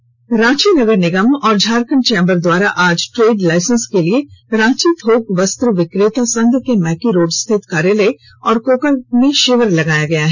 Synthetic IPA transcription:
ɾãːt͡ʃinɐɡəɾnɪɡəmɔːɾd͡ʒʱaːɾkənt͡ʃẽːmbəɾd̪waːɾaʔaːd͡ʒʈɾeːɖlaːɪsə̃nskelieɾãːt͡ʃit̪ɦoːkʋəst̪ɾəʋɪkɾeːt̪asɐ̃nd̪ʱkemɛːkiɾoːɖst̪ʰɪt̪kaːɾjele | ɔːɾkoːkəlmẽʃɪʋəɾlɐɡaːjaɡɐjaɦɛ

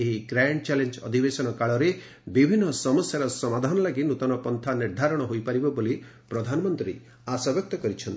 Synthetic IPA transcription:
eɦiɡɾajɳɖt͡ʃalend͡ʒɔ̰d̪ʱibesɔnɔkaɭɔɾe | bibʱinːɔsɔmɔsjaɾɔsɔmad̪ʱanɔlaɡinut̪ɔnɔpɔnt̪ʰaniɾd̪ʱaɾɔɽ̃ɔɦojpaɾibɔboli | pɾɔd̪ʱanɔmɔnt̪ɾii | asɔbjɔk̚t̪ɔkɔɾit͡ʃʰɔnt̪i

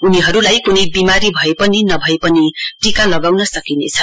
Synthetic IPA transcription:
uniɦʌɾulajkunʌjbimaɾibʱʌepʌninʌbʱʌepʌniʈikalʌɡawnʌsʌkinḛt͡sʰʌ

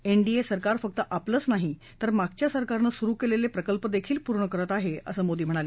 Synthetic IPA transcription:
eɳɖiesəɾkaɾfək̚t̪əʔapləːt͡snaɦi | t̪əɾmaɡt͡ɕjasəɾkaɾnəsuɾuːkelelepɾəkəlpəd̪ekʰiːlpuɾɳəkəɾət̪aɦeə̰səːmod̪iːm̤əɽ̃ale

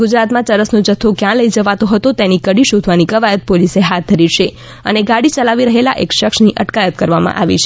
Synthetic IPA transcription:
ɡud͡ʒɾat̪mãt͡ʃəɾəsnod͡ʒət̪ʰːokjãləid͡ʒəʋat̪õɦət̪õt̪enikəɽiʃod̪ʱʋanikəʋajət̪̚poliseɦat̪̚d̪ʱəɾiʃe | ə̰neɡaɽit͡ʃəlaʋiɾəɦelaʔekʃəksniʔəʈkajət̪kəɾʋamã̰ʔa̰ʋḭʃe

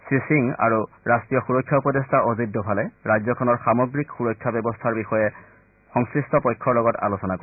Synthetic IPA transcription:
sisiŋa̰ɹu | ɹastijɔxuɹɔkʰːjaupɔdestaʔozidɔbʱalɛɹajzɔkʰɔnɔɹxamɔɡɹikxuɹɔkʰːjabɛbɔstʰaɹbixɔjɛ | xɔŋskɹistɔpɔjkʰːɔɹlɔɡɔta̰losɔnakɔ

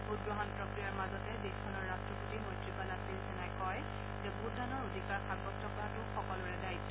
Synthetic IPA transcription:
bud̚ɡɹɔɦɔnpɹɔkɹijaɹmazɔtɛdeskʰɔnɔɹːastɹɔputimɔjtɹipalasilsɛnajkɔj | zɛbuddanɔɹodʱikaɹxʰabɔtɔpɔɹatʊxɔkɔlʊɹɛdajtɔ

